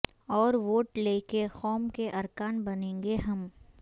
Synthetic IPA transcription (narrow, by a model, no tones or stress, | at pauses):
ɔːɾʋoːʈleːkexɔːmkeʔɐɾkaːnbɐnẽːŋɡeɦɐm